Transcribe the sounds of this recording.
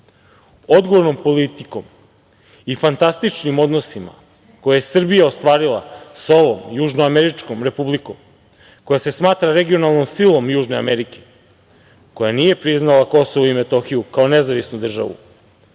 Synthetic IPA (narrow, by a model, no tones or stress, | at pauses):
od̪ɡoʋo̞ɾno̞mpo̞lit̪iko̞m | ifant̪ast̪it͡ʃnimo̞d̪no̞sima̰ | ko̞jaje̞sr̩bijao̞st̪ʋaːɾilˠa̰so̞ʋomjuʒnoameɾit͡ʃko̞mɾe̞publiko̞m | ko̞jase̞smaːt̪ɾaɾe̞ɡio̞nalˠno̞msilˠo̞mjuːʒne̞ameɾike̞̥ | ko̞janije̞pɾiznalako̞soʋoime̞t̪o̞xijukao̞ne̞zaʋisnud̪r̩ʒa̰ʋṵ